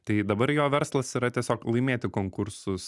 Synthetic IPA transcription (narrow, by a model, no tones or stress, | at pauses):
t̪ɐɪd̪ɐbɐɾjoːʋʲɛɾslˠɐsiɾɐt̪ʲiɛsʲoːklˠɐɪmʲeːt̪ʲɪkoːŋkʊɾsʊs